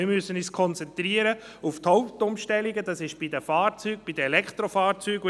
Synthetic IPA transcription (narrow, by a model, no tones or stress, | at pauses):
ɪmyəsənyːskʰɔnt͡sɛnt̪ɾiəɾə | uft̪hɔʊp̚tʊmʃtɛliɡəd̥ɑsɪʃb̥idəfɑːɾt͡syːɡ̚b̥idəɛlɛkχt̪ɾofɑːɾt͡syːɡ